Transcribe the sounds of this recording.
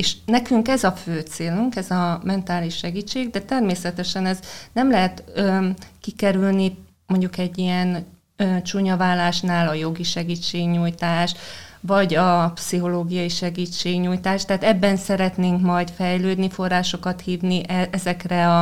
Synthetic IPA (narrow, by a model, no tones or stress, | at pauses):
eːʃnɛkyŋkɛzɒføːt̪seːluŋkɛzɒmɛnt̪aːliʃːɛɡiːt͡ʃːeːɡd̪ɛt̪ɛrmeːsɛt̪ɛʃɛnɛznɛmlɛɦɛt̪ː | kikɛɾylni | mo̞ɲɟukɛɟːijɛnː | t͡ʃuɲɒvaːlːaːʃnaːlɒjo̞ɡiʃɛɡiːt͡ʃːeːɡɲuːjt̪aːʃvɒɟɒpsiɦo̞loːɡijɒiʃɛɡiːt͡ʃːeːɡɲuːjt̪aːʃt̪ɛaːt̪ɛbːɛnsɛɾɛt̪neːŋkmɒjt̪fɛjløːd̪nifo̞rːaːʃo̞kɒt̪hiːvniʔɛʔɛzɛkrɛɒ